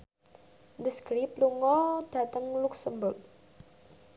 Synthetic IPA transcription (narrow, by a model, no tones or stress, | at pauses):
ndəskɾip̚luŋɔd̥a̤t̪əŋluksəmbʊk̚